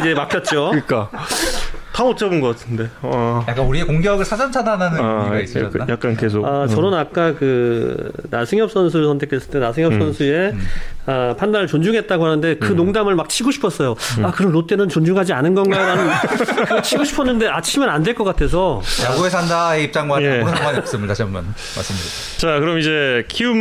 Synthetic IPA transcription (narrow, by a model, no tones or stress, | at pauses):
id͡ʑe̞mak͈jʌt̚t͡ɕ͈oik͈a | tamot͡ɕʰʌbɯnɡʌk͈atʰɯnde̞ajak͈anuɾiekoŋɡjʌɡɯɭsʰad͡ʑʌnt͡ɕʰadananɯiɡaiss͈jak̚k͈anke̞s̬ʰokat͡ɕʌɾonak̚k͈akɯ | na̰sʰɯŋjʌp̚s͈ʌns̬ʰuɾsʰʌntʰekʰes͈ɯɭt͈enasʰɯŋjʌs͈ʌnsʰue̞apʰandaɾɭt͡ɕond͡ʑuŋɦe̞t̚t͈aɡoɦanɯnde̞kɯnoŋdamɯɭmak̚t͡ɕʰiɡoɕʰi̥pʰʌs͈ʌjoakɯɾʌnːot͈̚e̞nɯnt͡ɕond͡ʑuŋɦad͡ʑianɯnɡʌnɡaɾanɯnkɯt͡ɕʰiɡoɕʰi̥pʰʌnːɯnde̞at͡ɕʰimɯnandwe̞ɭk͈ʌk͈atʰe̞sʰʌjaɡoesʰandaeip̚t͡ɕ͈aŋɡwajeɾɯnaans͈ɯmɯɭtaɕʰiaman | ma̰ɭs͈ɯmɲida | t͡ɕakɯɾʌmid͡ʑe̞kʰium